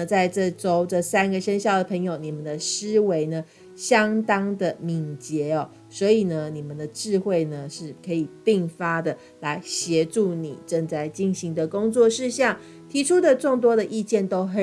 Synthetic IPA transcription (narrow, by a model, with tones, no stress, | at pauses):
t͡sa˥˧ɪʈ͡ʂɤ˥˧ʈ͡ʂo˥ʊʈ͡ʂə˥˩sæ˥nɡə˨ʂə˥nɕjɑ˥˩ʊd̪ə˩pʰə˧˥ŋjo˨ʊni˨˩mə˨nd̪ə˨ʂɻ̩˥we˧˥ɪnə˨ | ɕjɑ˥ŋt̪ɑ˥ŋd̪ə˨mi˨˩ŋt͡ɕjɛ˨˥˦ɔ˨ | swɔ˧˥i˨˩nə˦ni˨˩mə˨nd̪ə˩ʈ͡ʂɻ̩˥˧xwe˥˩ɪnə˩ʂɻ̩˥˩kʰɤ˧˥i˨˩pi˥˩ŋfa˥d̪ə˨ | la˧˥ɪɕjɛ˧˥ʈ͡ʂu˥˩ni˨˩ʈ͡ʂə˥˧ŋt͡sa˥˩ɪt͡ɕi˥˧˩ŋɕi˧˥ŋd̪ə˨kʊ˥ŋt͡swɔ˥˧ʂɻ̩˥˧ɕjɑ˥˩ŋ | t̪ʰi˧˥ʈ͡ʂʰu˥d̪ə˨ʈ͡ʂo˥˩ŋt̪wɔ˥ɾə˨ʔi˥˧t͡ɕjɛ˥˩nt̪o˥ʊxə˨˩